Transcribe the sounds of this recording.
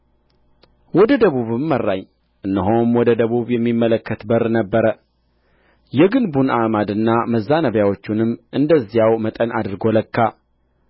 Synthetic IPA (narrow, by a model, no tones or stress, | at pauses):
wɔd̪əd̪əβuβɨmːərːaɲ | ʔɨnːəɦomwɔd̪əd̪əβuβjɛmːimːələkːət̪bəɾnəbːəɾə | jɛɡɨnbunamad̪ɨnːaməzːanəβjawo̞t͡ʃːunɨmːʔɨnd̪əzːijawmət̪ʼənad̪ɨɾɡo̞ləkːa